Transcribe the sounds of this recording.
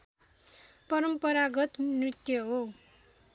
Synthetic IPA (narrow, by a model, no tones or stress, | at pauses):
pʌɾʌmpʌɾaɡʌt̪nrit̪jʌɦo